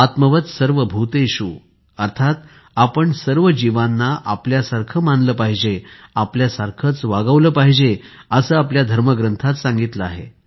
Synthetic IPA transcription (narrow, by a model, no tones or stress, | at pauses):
at̪məʋət̪səɾʋəbʱut̪eɕu | əɾt̪ʰat̪ | apəɳsəɾʋəd͡ʑiʋanːaʔapljasaɾkʰəmanləːpaɦid͡ʑeapljasaɾkʰət͡sʋaɡəʋləːpaɦid͡ʑe | əsəːapljad̪ʱəɾməɡɾənt̪ʰat̪sãŋɡit̪ləaɦḛ